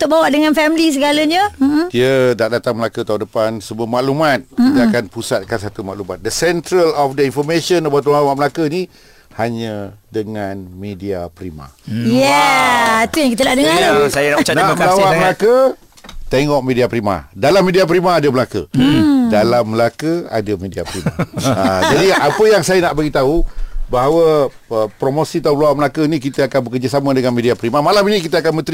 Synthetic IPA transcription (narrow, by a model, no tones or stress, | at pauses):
t̪oʔbawaʔdəŋanfɛmlis̬əɡaləɲədiədaʔdat̪aŋməlakət̪aundəpansəmuəmaʔlumat̪̚kit̪əakanpusat̪̚kansat̪umaʔlumat̪̚dəsɛnt̪ɾəlɔfdəinfɔmesənabat̪lawaʔməlakəni | haɲədəŋanmediapəɾima̰jɛ | t̪ujaŋkit̪ədaʔdəŋaasajanamlawaʔməlakə | t̪eŋɔʔmẽdiapɾima̰dalamːediap̬əɾimaːdəməlakə̰dalamːəlakəa̰dəmediapəɾima̰ad͡ʒadiapəjaŋsajənaʔbaɡit̪aubaɦawə | əpɾomosit̪auməlawaʔməlakəinikit̪əakanbəkərd͡ʒasamə̃dəŋanmediapəɾimamalaminĩkit̪əakanmə̃nt̪ɾi